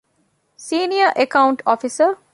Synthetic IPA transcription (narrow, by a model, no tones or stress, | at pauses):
siːniəʔekauɳʈɔfisə